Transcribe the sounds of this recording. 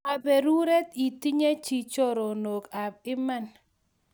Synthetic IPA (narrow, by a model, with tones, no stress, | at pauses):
a˨be˨ɾu˦ɾɛ˦t̪i˨ti˦ɲe˦t͡ʃi˨t͡ʃo˦ɾo˨no˨ka˨b̚ɪ˦ma˦˨n